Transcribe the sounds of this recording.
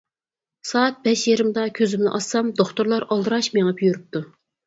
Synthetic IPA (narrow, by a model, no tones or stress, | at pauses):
sɑːɛt̪̚bɛʃjeɾɨmd̪ɑkʲʰøzymnɪ̰ʔɑsːɑmd̪oχt̪ʊɾlˠɑɾɑlˠd̪ɨɾɑʃmeŋɑpʰyjyɾuyp̚t̪ʰu